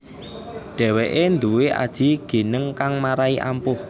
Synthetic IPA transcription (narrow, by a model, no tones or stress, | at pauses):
ɖ̥ɛ̤weʔend̪uweʔa̰d̥ʒ̥i̤ɡ̥e̤nəŋkaŋmaɾaiʔa̰mpʊh